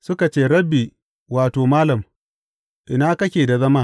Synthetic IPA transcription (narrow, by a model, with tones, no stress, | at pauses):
sʊ˦ka˨t͡ʃeː˦ɾɐ˦bːi˨ | waː˨toː˨maː˦lɐ˨m | ʔɪ˨naː˦kɐ˦kʲeː˨da˨zɐ˦maː˦